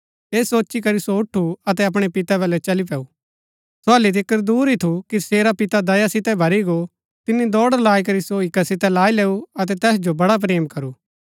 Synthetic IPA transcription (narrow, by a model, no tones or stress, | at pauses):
eːsoːt͡ʃikɐɾisoʊʈʰːuɐt̪ɛɐp̬ɽ̃epɪt̪ɛbɐlɛt͡ʃɐlip̬ɛːuː | soaːlit̪̬ʰɪkːəɾd̪uːɾit̪ʰukiseːɾapɪt̪ad̪ɐjasɪt̪ɛbʱɐɾiɡo | t̪ɪnːid̪ɔːɽəɾlaːik̬ɐɾisoɪkːasɪt̪ɛlaːileːuɐt̪̬ɛt̪ɛːsd͡ʒobɐɽap̬ɾeːmkɐɾuː